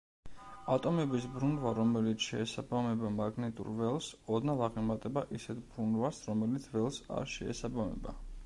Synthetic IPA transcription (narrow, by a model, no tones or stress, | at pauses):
at̪ʼɔmɛbisbɾunvaɾɔmɛlit̪sʰʃɛːsabamɛbamaɡnɛt̪ʼṵɾvɛlˠsɔd̪nalˠaʁimat̪ʼɛbaʔisɛt̪ʰb̥ɾunvasɾɔmɛlit̪sʰvɛlˠsa̰ɾʃɛɛ̰sabamɛ̰ba